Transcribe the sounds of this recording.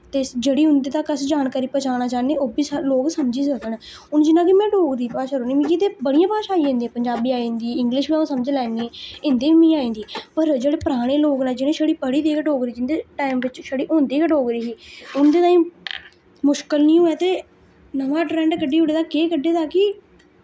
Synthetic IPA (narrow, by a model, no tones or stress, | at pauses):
t̪eːd͡ʒeːɽiːɦʊnd̪eːt̪aːkəsd͡ʒaːnkaːɾiːpət͡ʃaːnaːt͡ʃaːneːʔoːbiːsloːɡsəmd͡ʒiːsəkən | ʊnd͡ʒɪnãːk̬ɪmɛ̃ːɖoːɡd̪iːpaːʃaːɾoːnĩːmĩːkit̪eːbəɽ̃ijãːpaːʃaːiːẽːnd̪iɛ̃ːpəɲd͡ʒaːbiːaːĩːnd̪iːɪ̃ŋɡlɪʃmɛ̃õːsəməd͡ʒlaːniɛ̃ːɪ̃nd̪eːiːmĩːaːĩːnd̪iːpəɾd͡ʒeːɽeːpəɾaːɽ̃eːloːɡnãːd͡ʒɪnẽːʃəɽiːpəɽiːd̪eːkəʈoːɡɾiːd͡ʒɪnd̪eːʈaːɪmʋɪt͡ʃʃəɽiːʔõːnd̪iːkəʈoːɡɾiːiːʊnd̪eːt̪aːĩː | mʊʃkəlnĩːoːɛːt̪eː | nəʋãːʈɾɛ̃ːɳɖkəɖiːʊɽeːt̪aːkeːkəɖːeːt̪aːkɪ